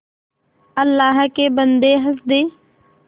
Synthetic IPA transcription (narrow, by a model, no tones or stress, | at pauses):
əlːaːɦkeːbənd̪eːɦəsd̪eː